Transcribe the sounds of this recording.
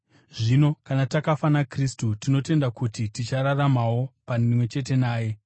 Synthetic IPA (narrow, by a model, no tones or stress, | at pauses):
ʐino̞kanatakafanakristutino̞te̞ndakutitit͡ʃaɾaramawo̞panimwe̞t͡ʃe̞t̬e̞naːje̞